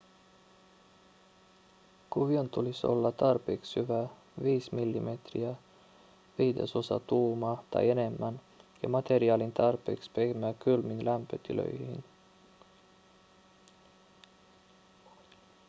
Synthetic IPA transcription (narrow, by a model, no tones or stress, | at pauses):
kuʋiont̪uliso̰lːɑt̪ɑrpe̞kshyʋæ | ʋiːsmilːime̞t̪riæ | ʋiːd̪e̞̰so̞sɑ̰t̪uːmɑt̪ɑ̰je̞ne̞mːæn | jɑ̰mɑt̪e̞ɾiɑːlint̪ɑrpe̞̰ːkspehmækylminlæmpøt̪ilø̰jhhḭn